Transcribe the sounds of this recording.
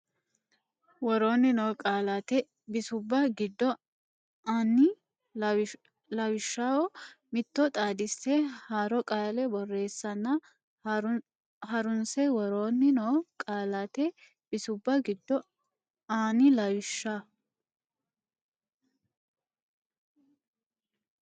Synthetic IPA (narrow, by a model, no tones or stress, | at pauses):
wɔɾoːnːɪnoːkʼaːlɐt̪ɛ | bɪsʊbːɐɡɪd̪ːɔ | aːnːɪ | lɐwɪʃːawɔmɪt̪ːɔt̪ʼaːd̪ɪsːɛhaːɾɔkʼaːlɛbɔrːe̞ːsːɐnːɐ | hɐɾʊnsɛwɔɾoːnːɪnoːkʼaːlɐt̪ɛ | b̥ɪsʊbːɐɡɪd̪ːɔ | aːnɪlɐwɪʃːa